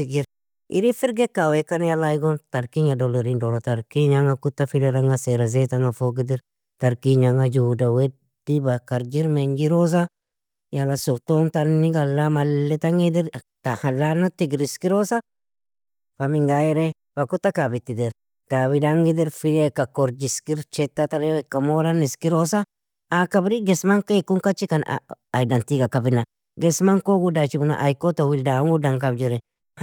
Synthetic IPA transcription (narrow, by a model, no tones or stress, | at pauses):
tiɡiɾ | ʔḭɾifiɾɡekawekanjalajɡontaɾkiɲadoloɾindoɾotaɾkiɲaŋakutːafileɾaŋɡaseɾazetaŋafoɡid̪iɾ | taɾkiɲaŋad͡ʒudawe | dibakaɾd͡ʒiɾmeɲɡiɾos̬a | jalasoktontaniɡalːamalːetaŋid̪iɾ | tahalːanatiɡiɾiskiɾosa | famiŋɡajɛɾe | fakut̪ːakabit̪ːid̪ɛɾ | kaβidaŋɡid̪ɛɾfiɾekakoɾd͡ʒiskiɾt͡ʃɛt̪ːat̪aɾewɛkːamoɾaniskiɾosaː | kabɾiɡɛsmaŋkekuŋkat͡ʃːikan̰ː | jdantiɡakabina | ɡɛsmaŋkoɡudat͡ʃibuna̰ʔajkotowildaŋɡudaŋkabd͡ʒiɾɛ